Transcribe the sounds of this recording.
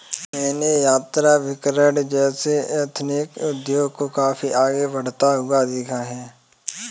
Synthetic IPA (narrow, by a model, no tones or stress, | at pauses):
mɛ̃ːnejaːt̪ɾaʋɪkɾəɖd͡ʒɛːseet̪ʰnɪkʊd̪joːɡkokaːfiʔaːɡebəɽ̤t̪aɦʊad̪ɪkʰaɦɛː